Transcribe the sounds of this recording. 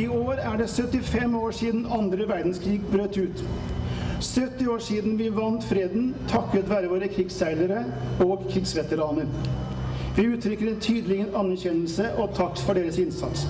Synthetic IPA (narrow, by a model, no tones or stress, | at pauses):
ɪoːɾæɖɛsœt̪ːɪfɛmoːʂiːd̪n̩ɑnd̪ɾəʋæɾd̪n̩skʰɾiːɡbɾøːt̪ʉːt̪ | sœt̪ːɪoːʂiːd̪n̩ʋɪʋɑnt̪fɾeːd̪n̩t̪ʰɑkːət̪ʋæːɾəʋoːɾəkʰɾɪɡsæɪləɾəoːɡkʰɾɪɡsʋɛt̪əɾɑːnəɾ | ʋɪʉːt̪ʰɾʏkːəɾɛnt̪ʰyːd̪əlɪɡənɑnːæɾçɛnəlsəʔɔt̪ʰɑkːfɔɖeːɾəsɪnsɑt̪s